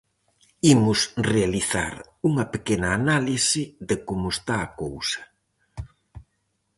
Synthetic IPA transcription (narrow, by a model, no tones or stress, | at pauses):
imʊsrealiθa̰ɾ | uŋɐpekenɐːnalisɪðɪkomʊest̪aːkowsɐ̥